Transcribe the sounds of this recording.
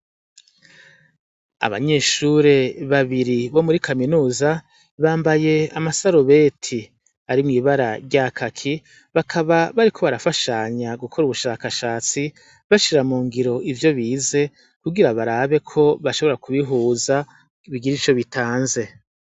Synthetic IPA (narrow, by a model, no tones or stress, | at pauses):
a̰βa̰ɲe̞ːʃuɾe̞βaβiɾiβo̞muɾikaminuːza | βaːmbaje̞amasaɾoβe̞tʰi | aɾimŋiːβaɾa̰ɾɟakʰakʰi | βakʰaβaβaɾikʰo̞βaɾafaʃaɲaɡukʰo̞ɾuβuʃaːkaʃaːt͡si | βaʃiɾamuːŋɡiɾo̞ʔivjo̞βiːze̞ | kuɡiɾaβaɾaːβe̞kʰo̞βaʃo̞βoɾakʰuβiɦuːza | βiɡiɾit͡ʃo̞βitʰaːnze̞